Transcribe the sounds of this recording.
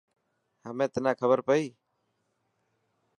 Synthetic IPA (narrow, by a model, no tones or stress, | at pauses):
həmẽːt̪nãːkʰəbəɾpəiː